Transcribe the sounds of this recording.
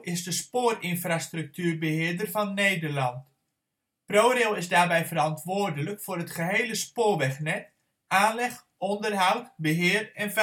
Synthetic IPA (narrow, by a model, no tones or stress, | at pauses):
ɪzdəspoːrɪnfrastrɵk̚tyːrbəɦɪːərdərvɔnːeːjdərlɑnt | proːɾelˠɪzdaːrbɛjvərɑntʋoːrdələkfʊːɾətχəɦejləspoːʋɛχnɛt | ʔaːnlɛχ | ɔndərɦawtbəɦɪːrɛnv